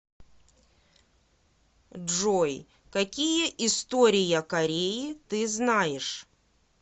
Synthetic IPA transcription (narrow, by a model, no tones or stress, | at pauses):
ʐoj | kɐkʲijəʔɪst̪oɾʲɪjɐkɐɾʲejit̪ɨznajɪʂ